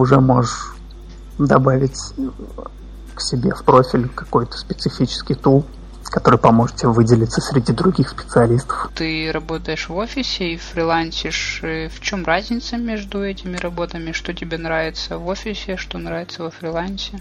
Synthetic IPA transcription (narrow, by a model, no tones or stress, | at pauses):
ʊʐɛmo̞ʐɨʂʂ | d̪ɐbavʲɪtʲ | ksʲɪbʲefpɾo̞fʲɪlʲkɐ̥ko̞jt̪ə̥spʲɪt̪sɨfʲit͡ɕɪ̥skʲɪjt̪ulˠ | kɐt̪o̞ɾɨjpɐmoʐɨ̥t̪tʲːɪvɨdʲɪlʲɪt̪səsʲɾʲɪdʲid̪ɾʊɡʲixspʲɪ̥t̪sɨɐlʲist̪ə̥ft̪ɨɾɐbo̞t̪əjɪʂvo̞fʲɪsʲɪiffɾʲɪlˠanʲsʲɪʂft͡ɕo̞mrazʲnʲɪt̪səmʲːeʐd̪ʊɛtʲɪmʲɪɾɐbo̞t̪əmʲɪʂt̪o̞tʲɪbʲenɾavʲɪt̪səvo̞fʲɪsʲɪʂt̪o̞nɾavʲɪt̪səvəfɾʲɪlˠanʲsʲɪ